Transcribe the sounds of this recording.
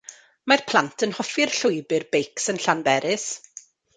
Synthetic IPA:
marpʰl̥ˠantʰənhɔfɪrɬʊjbɪrbejksənɬanbɛɾɪs

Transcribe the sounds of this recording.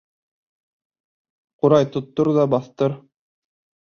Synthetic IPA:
quɾɑjt̪ŏt̪ːoɾðɑbɑθt̪ɤɾ

